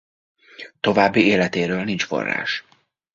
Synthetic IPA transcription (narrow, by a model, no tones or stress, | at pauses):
t̪o̞vaːbːieːlɛt̪eːɾøːlnint͡ʃfo̞̰rːa̰ːʃ